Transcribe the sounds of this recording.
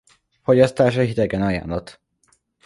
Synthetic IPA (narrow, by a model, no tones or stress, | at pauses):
foɟɒst̪aːʃɒɦit̪ɛɡɛnɒja̰ːnlɒt̪